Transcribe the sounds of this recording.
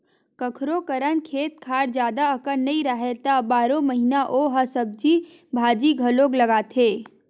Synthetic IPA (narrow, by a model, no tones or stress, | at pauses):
kəkʰɾokəɾənkʰeːt̪̚kʰaːɾd͡ʒjaːd̪aɐkənːɐĩɾəɦet̪abaːɾõməɦinaʔoɦɐsəb̚d͡ʒi | bʱaːd͡ʒiɡʱɐloːɡlɐɡaːt̪ʰeː